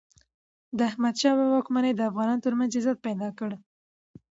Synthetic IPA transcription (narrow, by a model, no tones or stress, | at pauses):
d̪əahmad̪ʃɑwəwɑkmanejd̪əafɣɑnɑnot̪əɾmanzɪzat̪̚pajd̪ɑkəɽ